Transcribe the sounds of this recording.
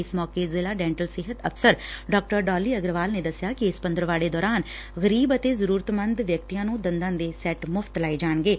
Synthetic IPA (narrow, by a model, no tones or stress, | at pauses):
ɪsmɔːkeːzɪlaːɖɛ̃ːɳʈəlsɪɦət̪əfʰsəɾɖɔːk̚ʈəɾɖaːliːəɡɾʋaːlneːd̪əsɪjaːkɪɪspənd̪əɾʋaːɽeːd̪ɔːɾaːn | ɣəɾiːbət̪eːzəɾuːɾət̪mə̃nd̪ʋjək̚t̪ijãːnũːd̪ənd̪ãːd̪eːsɛːʈmʊfʰt̪laːid͡ʒaːɳɡeː